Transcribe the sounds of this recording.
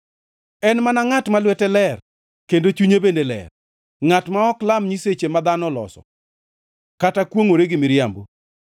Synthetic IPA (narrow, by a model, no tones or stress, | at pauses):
ɛnmanaŋatmalwɛtɛlɛr | kendot͡ʃuɲebendelɛ̰r | ŋatmaɔklamɲiset͡ʃemad̪anɔlɔ̰sɔ̰ | katakwoŋoɾeɡɪmɪɾjambo